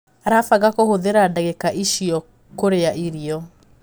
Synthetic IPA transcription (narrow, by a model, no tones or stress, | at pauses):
ɾafaɣakohoðeɾadaɣekaʔiʃiɔ | koɾeaʔiɾiɔ